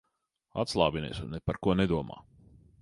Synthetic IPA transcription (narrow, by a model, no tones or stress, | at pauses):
a̰t̪slˠɑːvinɛ̰ːsṵnːɛpaɾkuɔned̪uɔma̰ː